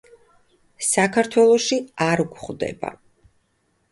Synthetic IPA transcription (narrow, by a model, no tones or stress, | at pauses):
sakʰaɾt̪ʰwɛlˠɔʃiaɾuɡʷχd̪ɛ̰ba̰